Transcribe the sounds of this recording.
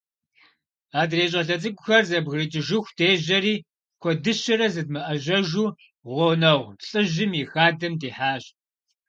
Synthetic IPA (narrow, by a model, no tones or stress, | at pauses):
aːdreːɕ̬ʼɐɬɐt͡sʼɨkʷʼʊxɐrzɐbɣɨrit͡ʃʼɪʒɪxʷdʰeːʑɐɾiː | kʷʰɔdɨɕɐɾɐzɨd̚mɐʔɐʑɐʒuː | ʁʷɔwnɐʁʷɬʼɨʑɪmjixaːdɐmdeːħaːɕ